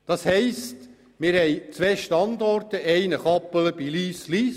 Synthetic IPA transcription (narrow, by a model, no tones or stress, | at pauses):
d̥ɑshɛɪst | mɪːɾhɛɪt͡sʋeːʃtɑnd̪ɔrtəʔɛɪnəχɑpələb̥iliːsliːs